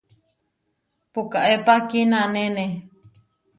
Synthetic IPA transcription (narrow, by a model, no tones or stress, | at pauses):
pukaʔepakinãnẽne